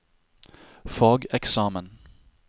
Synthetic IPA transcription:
fɑːɡɛksɑːmən

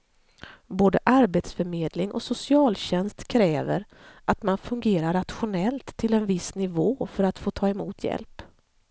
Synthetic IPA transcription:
boːd̪əʔaɾbeːt̪sfœɾmeːd̪lɪŋʔɔ̰sʊsɪɑːlɕɛnst̪kʰɾɛːvə̰ɾ | ʔat̪manfɵŋɡeːɾaɾːat̪ɧʊnɛlt̪ʰːɪlɛnvɪsnɪvoːfœɾat̪foːt̪ʰɑːɛmuːt̪ʰjɛ̰lp

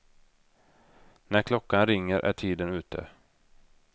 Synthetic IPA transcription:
næɾkʰlɔkːanɾɪŋːəɾʔæ̰ʈʰiːd̪ənʉ̟ːt̪ʰə̰

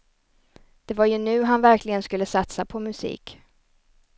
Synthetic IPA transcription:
d̪̥ɛvaɾjɵnʉ̟ːɦanvæɾklɪɡənskɵlːəsat̪sapʰɔmɵsḭːk

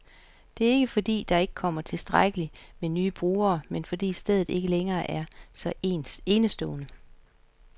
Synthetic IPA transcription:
d̥e̝æɐe̝ɡ̥əfɒ̽d̥ḭːd̥ɑ̈e̝ɡ̥əkʰɒ̽m̰ɐt͡sʰe̝lsd̥ʁaɡ̥əlimenyːb̥ʁuːɐːmenfɒ̽d̥ḭːsd̥eð̞ˠð̩ˠe̝ɡ̥əleŋɐːʔæɐsɒ̽e̝ːnəsd̥ɔ̰̽ːnə

